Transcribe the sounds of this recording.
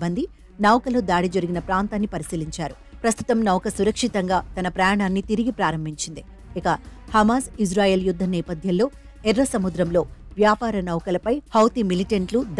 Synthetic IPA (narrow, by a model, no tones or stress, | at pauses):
bɐnd̪i | nɐwkɐlod̪aːɽid͡ʒɐɾiɡinɐpɾaːnt̪aːnːipɐɾisiːliɲt͡ʃaːɾu | pɾɐst̪u̥t̪ɐmnɐwkɐsuɾɐkʂit̪ɐŋɡaːt̪ɐnɐpɾɐjaːɳaːnːit̪iɾiɡipɾaːɾɐmbʱiɲt͡ʃind̪i | ikɐhɐmaːsisɾaːjeːljud̪ʱːɐnɛːpɐd̪ʱjɐllo̞ː | ɛɾːɐsɐmud̪ɾɐmlo̞ːʋjaːpaːɾɐnɐwkɐlɐpɐjhɐwt̪imiliʈɐɳʈlud̪